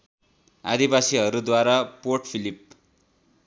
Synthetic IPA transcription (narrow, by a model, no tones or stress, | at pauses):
a̰d̪ibasiɦʌɾud̪waɾapoʈpʰilip̚